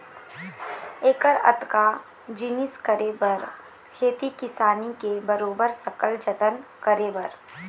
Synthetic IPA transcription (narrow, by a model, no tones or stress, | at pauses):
eːkəɾɐ̰t̪ka | d͡ʒɪnɪskəɾebɐɾ | kʰeːt̪ikɪsaːnikebɐɾoːbəɾsɐkəld͡ʒət̪ənkəɾebɐɾ